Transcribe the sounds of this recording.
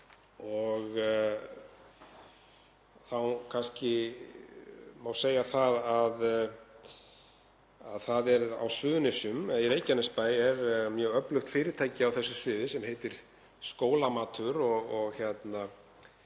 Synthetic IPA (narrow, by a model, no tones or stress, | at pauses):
ɔɣ | θawkʰanscɪ | mawseːjaθaðað | a̰ðθaðɛɾa̰wsvʏːðʏnɪsʏmiɾeːjcanɪspaːjɛɾmjœːɣœplʏxt̪fɪːɾɪt̪ʰaːjcɪawθɛsːʏsvɪːðɪsɛmɦejt̪ɪɾ̥ | skoːwlamaːt̪ʰʏɾɔɣɔɣçɛt̪na